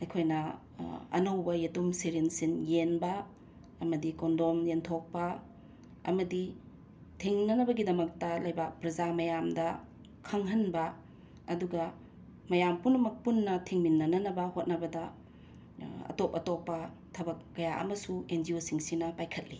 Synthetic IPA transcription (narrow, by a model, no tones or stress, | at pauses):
ɐjkʰojnɐ | ɐ̰nɐwbɐjetumseɾensinjenbɐ | ɐmɐdikondomjentʰok̚pɐ | ɐ̰mɐdi | tʰiŋnɐnɐbɐɡidɐmɐk̚tɐlɐjbak̚pɾɐzamɐjamdɐ | kʰɐŋɦɐnbɐ | ɐduɡɐ | mɐjampunɐmɐk̚punːɐtʰiŋminːɐnɐnɐbɐhot̚nɐbɐdɐ | ɐ̰topɐtopːɐ | tʰɐbɐkːɐjaʔɐ̰mɐsuend͡ʒiosiŋsinɐpajkʰɐt̚li